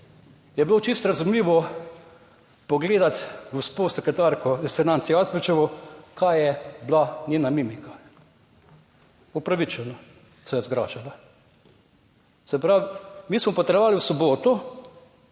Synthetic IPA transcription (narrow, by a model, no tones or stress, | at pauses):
jɛblot͡ʃist̪ɾazumliːʋɔ | pɔɡleːd̪at̪ɡospoːsɛkɾɛt̪aɾkɔisfinansijazpit͡ʃɛʋɔkʰajjɛblanʲjeːnamimika | upɾaʋit͡ʃɛnɔ | sɛjɛzɡɾa̰ːʒala | sɛpɾawmiːsmɔpɔt̪ɾɛʋaːliwsɔboːt̪u